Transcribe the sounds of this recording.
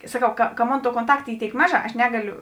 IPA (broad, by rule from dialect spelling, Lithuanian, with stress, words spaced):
sɐˈkɐʊ kɐ kɐ ˈmoːn ˈtuɔ koːnˈtɐkt ˈiː ˈtʲeːɪk ˈmɑːˌʒɑː ɐʃ ˈnʲæːɡɐˌlʲʊ